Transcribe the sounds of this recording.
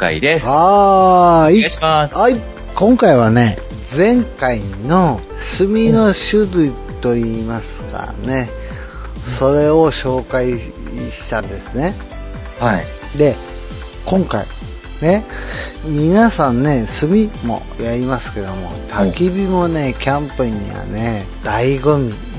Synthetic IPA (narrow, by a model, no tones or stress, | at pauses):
a̰iesa | iaa | kõ̞ŋkaiβ̞ane̞ | d͡zẽ̞ŋkaino̞ | sɨmʲino̞ɕɨɾɯ̟i | t̪o̞iːmasɨ̥ka̰ne̞ | so̞ɾe̞oɕo̞ːkai | ɕi̥t̪ãnd̪e̞sɨne̞ | h | d̪e̞ | kõ̞ŋka̰ḭ | ne̞ | mʲinasãnːe̞sɨmʲimo̞̰ | jaɾʲimasɨ̥ke̞d̪o̞mo̞̰t̪ʰakʲibʲimo̞ne̞kʲãmpɯɲ̟ːḭβa̰ne | d̪̥aiɡomʲi